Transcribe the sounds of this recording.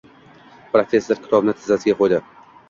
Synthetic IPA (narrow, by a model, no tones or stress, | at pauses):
pʰɾofʲe̞sːɪɾkʲʰɪ̥t̪ʰɒbnɪt̪ʰɪzasɪɡʲaqʰojd̪ɪ